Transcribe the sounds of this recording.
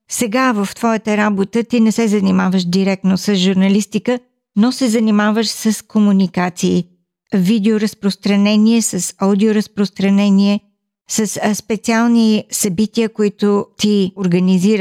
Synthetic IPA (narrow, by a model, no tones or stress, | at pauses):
sɛɡavəft̪vɔjət̪əɾabot̪ət̪inɛsɛzɐnimavəʃd̪iɾɛk̚t̪nosəsʒuɾnɐlist̪ikə | nosɛzɐnimavəʃsəskomunikat̪siː | vid̪ɛoɾɐspɾost̪ɾɐnɛniɛsəsaʊd̪ioɾəspɾost̪ɾɐnɛniɛ | səsspɛt̪sialˠnisɐbit̪iəkoit̪ʊt̪ioɾɡɐniziɾə